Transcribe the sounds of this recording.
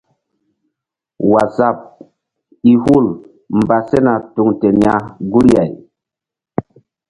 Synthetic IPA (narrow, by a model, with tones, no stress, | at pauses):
wa˨za˦˨p̚ | i˦hu˦˨l | m˨ba˨se˦na˨tu˨ŋte˨n˦a˦ɡu˦lja˨j